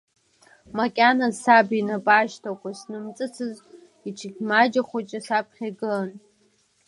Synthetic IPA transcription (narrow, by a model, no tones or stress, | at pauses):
makʲʼanasabinabʼaʃtʰakʷʰʼasnɨmt͡sʼɨt͡sʰɨz | it͡ʃʰikʲmad͡ʒaχʷat͡ʃʼasapʰχʲaɡɨn